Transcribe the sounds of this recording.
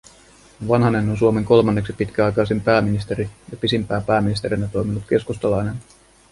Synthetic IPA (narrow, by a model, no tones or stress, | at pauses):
ʋɑnɦɑne̞nonsuome̞ŋko̞lmɑnːe̞ksipit̪k̟æɑjkɑjsimpæːminist̪eɾijɑpisimpæːpæːminist̪e̞ɾinːɑt̪o̞jminut̪ke̞skust̪ɑlɑjnen